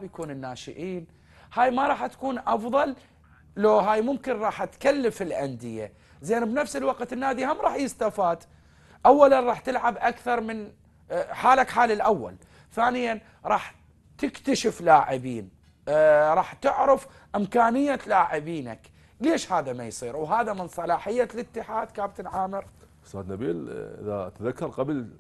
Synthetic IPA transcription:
bjakuːnɪnːaːʃɪ̰ʔiːn | haːjmaɾˤɑːħt̪ḁkuːnʔɑfðˤɑl | loɦaːjmʊmkɪnɾˤɑːħʔat̪kalːafɪlʔand̪ɪja̰ | zeːnbnafsɪlwaqt̪ɪnːaːd̪ihamɾˤɑːħjɪst̪afaːd̪ | ʔawːalanɾˤɑːħt̪ɪlʕabʔakθɑɾˤmɪn | ħaːlakħaːlɪlʔawːa̰l | θaːnɪjan | ɾˤɑːħ | t̪ɪkt̪aʃɪflaːʕɪbiːn | ɾˤɑːħt̪ɪʕɾɪf | ʔɪmkaːnɪjːalaːʕɪbiːna̰k | leːʃhaːðamajsˤiːɾwɦaːðamɪnsˤɑlɑːħɪjːalɪt̪ːɪħaːd̪̥kaːbt̪ɪlʕaːmɪɾ | st̪ːa̰ːd̪nabḭːlʔɪ̰ða̰t̪ðakːɑɾˤqabl

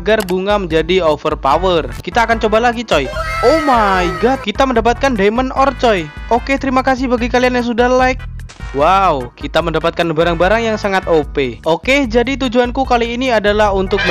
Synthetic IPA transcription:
ɡarbuŋaməɲd͡ʒadiofərpawərkit̪aːkant͡ʃobalaɡit͡ʃɔjomaiɡat̪̚kit̪aməndap̬at̪̚kandemənɔrt͡ʃɔj | oket̪əɾimakas̬ɪhbaɡikalianjaŋs̬udahlaɪk̚ | waukit̪aməndapat̪̚kanbaɾaŋbaɾaŋjaŋsaŋat̪opeoked͡ʒadit̪̬ud͡ʒuankukaliːniadalaɦunt̪ʊk̚

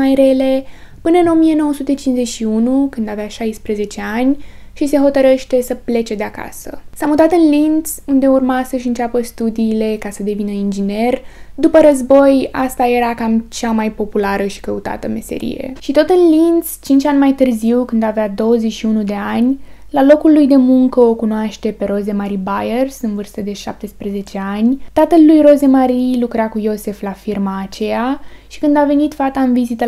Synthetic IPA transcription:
ajɾe̞le | pɨnəɨno̞mijeno̞wəsut̪e̞t͡ʃinze̞ʃiunukɨnd̪aveaʃajspɾeze̞t͡ʃe̞anʲ | ʃise̞ɦo̞t̪əɾeʃt̪e̞səple̞t͡ʃe̞d̪eaka̰sə̰samut̪at̪ɨnlind̪sund̪e̞urmasəʃɨnt͡ʃapəst̪ud̪iːle̞kasəd̪e̞vinəind͡ʒine̞rd̪upəɾəzbo̞jast̪aje̞ɾakamt͡ʃamajpo̞pulaɾəʃi̥kəut̪a̰t̪əme̞̰se̞̰ɾḭje̞̰ʃit̪o̞t̪ɨnlinst͡ʃint͡ʃʲanʲmajt̪ɨrziwkɨnd̪avead̪o̞wəzeʃiunud̪e̞anʲlalo̞kulːujd̪e̞muŋkəokunoaʃt̪e̞pe̞ɾo̞ze̞maɾibajersɨnvɨrst̪əd̪e̞ʃa̰p̚t̪e̞spɾeze̞t͡ʃe̞anʲt̪at̪əlːujro̞ze̞maɾilukɾakujo̞se̞flafirmaːt͡ʃe̞jaʃi̥kɨnd̪ave̞nit̪fat̪aɨnvizit̪ə

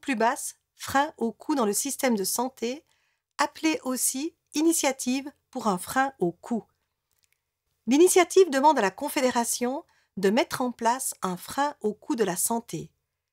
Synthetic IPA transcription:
plybas | fχɛ̃ʔokʰud̪ɑ̃ləsist̪ɛmd̪əsɑ̃t̪e | apleʔosi | inisjat̪ʰivpuʁɛ̃fχɛ̃okʰu | linisjat̪ivd̪əmɑ̃d̪alakɔ̃fed̪eʁasjɔ̃ | d̪əmɛt̪χɑ̃plasɛ̃fχɛ̃okʰud̪əlasɑ̃t̪ʰe

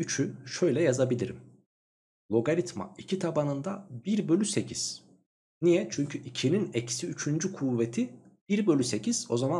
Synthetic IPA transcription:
yt͡ʃʰyʃø̞jlʲɛjazabilʲiɾim | lˠo̞ɡaɾit̪ma̰icʰit̪ʰabanɯnd̪abiɾbø̞lʲysecʰiz̥ | nijɛt͡ʃʰyɲcʰyʔicʰininɛcsiyt͡ʃʰynd͡ʒykʰuvet̪ʰib̥iɾbø̞lʲyse̞cʰiz̥o̞zama

